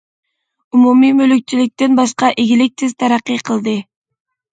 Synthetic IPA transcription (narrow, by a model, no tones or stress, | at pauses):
umumimøløk̚t͡ʃilik̚t̪enbɑʃqɑʔeɡʲilik̚t̪izt̪ʰɑɾɑqijqʰɯlˠd̪ɯ